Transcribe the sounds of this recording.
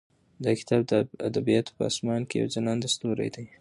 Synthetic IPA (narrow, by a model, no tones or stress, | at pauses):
d̪əkɪ̥t̪ɑb̚d̪əad̪abijɑt̪pəɑ̰smɑnkeja̰wd͡ʒanɑnd̪əst̪oɾa̰jd̪aj